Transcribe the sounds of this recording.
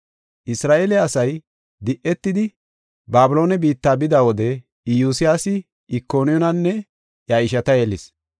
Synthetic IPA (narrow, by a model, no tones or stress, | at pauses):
ʔɪsɾaːʔeːlɛɐsɐj | d̪ɪʔɛt̪ːɪd̪ɪ | baːbʊlo̞ːnɛbiːt̪ːaːbɪd̪awɔd̪ɛ | juːsɪjaːsɪ | ʔɪkːo̞ːnɪjɔnɐnːɛ | jaɪʃɐt̪ɐjɛlɪs